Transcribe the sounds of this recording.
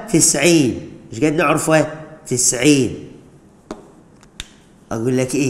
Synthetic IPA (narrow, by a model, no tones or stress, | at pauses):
t̪ɪsʕiːnmɪʃɡæd̪naʕɾfæt̪ɪsʕiːn | ʔæɡuːlːækʔiː